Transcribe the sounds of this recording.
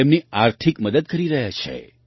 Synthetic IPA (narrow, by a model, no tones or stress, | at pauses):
emniaɾt̪ʰikməd̪əd̪̚kəɾiɾəɦjat͡ʃʰḛ